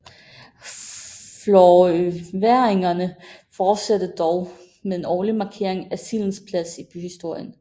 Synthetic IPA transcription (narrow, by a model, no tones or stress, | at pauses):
flɒʋæɐeŋɐnəfɒːd̥sæd̥əd̥ɒʊ | meðˠe̝nɒːlimɑ̈kʰe̝ɐ̰e̝ŋæsiln̩spʰlæsib̥yhisd̥o̝ɐ̰jən